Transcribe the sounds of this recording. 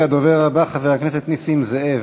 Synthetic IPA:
ad̪oveʁabaχaveakneset̪nisimzeʔev

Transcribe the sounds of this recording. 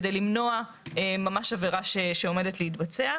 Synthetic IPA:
dejlimno̞a | emamaʃaveʁaʃeʃeome̞detleitbat͡sea

